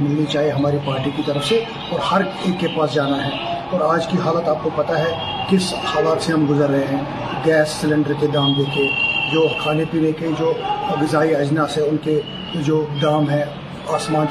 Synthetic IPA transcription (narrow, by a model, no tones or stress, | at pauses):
mɪlnit͡ʃaːɦieɦɐmaːɾipaːɾʈikit̪ɐɾəfse | ɔːɾhɐɾ | eːkːepaːsd͡ʒaːnaɦɛːɔːɾaːd͡ʒkiɦaːlət̪aːp̚kopɐt̪aɦɛ | kɪshaːlaːt̪seɦɐmɡʊzəɾːɐɦeɦɛ̃ː | ɡɛːsːɪlɪ̃ɳɖəɾked̪aːmd̪eːkʰied͡ʒoːxaːnepiːneked͡ʒoːɐɡɪzaːiɐd͡ʒnaseʊnke | d͡ʒoːd̪aːmɦɛ̃ː | aːsmãːn